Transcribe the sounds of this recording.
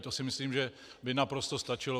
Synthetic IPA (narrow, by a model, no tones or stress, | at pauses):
t̪osɪmɪsliːmʒɛ | bɪnapɾost̪o̞st̪at͡ʃɪlo